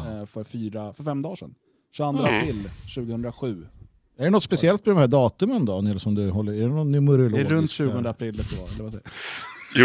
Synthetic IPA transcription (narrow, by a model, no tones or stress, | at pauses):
fœɾfyːɾafœɾfɛmːd̪ɑːʂɛ̰n | ʃʉand̪ɾaapʰɾɪlːɕʉ̟ːɡəhɵnd̪ɾaɧʉ̟ː | ɛɖɛnɔt̪spɛsɪɛlt̪̚pʰɔd̪ɔmhæːɖɑːt̪ɵmɛnd̪ɔnɛlsɔmd̪ɵɦɔlːəæɖɛnɔnːʏmɵɾəlɾɵnt̪ɕʉ̟ːɡɔnd̪əapʰɾɪlːɛst̪ɛvɑ̰ːɛ̰lːɾvasɛ